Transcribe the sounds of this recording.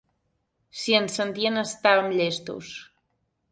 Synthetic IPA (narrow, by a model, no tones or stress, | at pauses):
siənsənt̪iənəst̪aəmʎest̪ṵs